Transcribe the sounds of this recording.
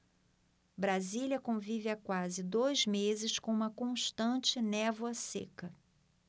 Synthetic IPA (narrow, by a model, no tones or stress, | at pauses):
bɾaziljɐkõvivɪakwazɪd̪ojzmezɪskõũmɐkõʃt̪ɐ̃t͡ʃɪnɛvwɐsḛkɐ